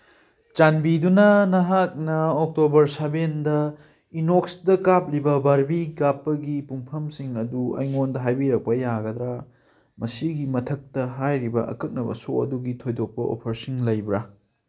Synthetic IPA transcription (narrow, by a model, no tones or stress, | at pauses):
t͡ʃanbidunɐnɐɦak̚nɐok̚tobɐɾsabendɐ | inoksdɐkap̚libɐbɐɾbiɡapːɐɡipuŋpʰɐmsiŋɐduɐ̰jŋondɐɦajbiɾɐk̚pɐjaɡɐd̪ɾa | mɐsiɡimɐtʰɐk̚tɐɦajɾibɐɐ̰kɐk̚nɐbɐ̰soɐ̰duɡitʰojdok̚pɐo̰pʰɐɾsiŋlɐjbɾa